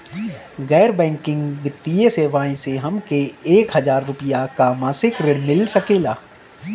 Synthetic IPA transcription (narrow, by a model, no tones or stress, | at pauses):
ɣɛːɾbɛ̃ːŋkɪ̃ŋɡʋɪt̪ːijeseːʋaːĩseɦɐmkeeːkɦɐzaːɾːʊpɪjakamãːsɪkɾɪɽmɪlsəkeːlaː